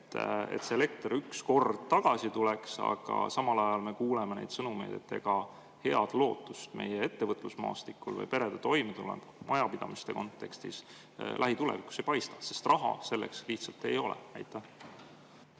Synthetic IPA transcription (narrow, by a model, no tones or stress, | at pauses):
et̪ːˑḛt̪seele̞k̚t̪ryksko̞rd̪̥t̪ɑɡ̥ɑsit̪uleksɑ̰ɡ̥ɑ̰sɑmɑlɑjɑlme̞kuːleme̞ne̞jd̪sɤnume̞̰jd̪̥e̞̰t̪ːe̞̰ɡ̥ɑ | he̞ɑd̪̥lo̞ːt̪ːˑust̪mejee̞t̪ːe̞vɤt̪ːˑlusmɑ̰ːst̪ikːˑulvɤ̰jpe̞ɾe̞d̪et̪o̞jmit̪ulḛm̥ | mʔɑjɑpid̪ɑmist̪e̞ko̞nt̪ːe̞kst̪ḭs | lʔæɦit̪ulḛvikusejpɑjst̪ɑ̥se̞st̪rɑɦɑ̰se̞lːeksliht̪sɑlt̪e̞jo̞lḛnæ̰jt̪ːˑæ